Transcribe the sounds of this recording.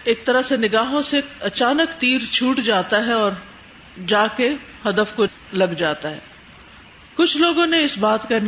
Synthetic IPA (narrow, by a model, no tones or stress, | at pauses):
eːk̚t̪ɐɾəɦsenɪɡaːɦõseɐt͡ʃaːnəkt̪iːɾt͡ʃʰuːʈd͡ʒaːt̪aɦɛɔːɾ | d͡ʒaːke | hɐd̪əfko | lɐɡd͡ʒaːt̪aɦɛː | kʊt͡ʃʰloːɡõneɪsbaːt̪kɐn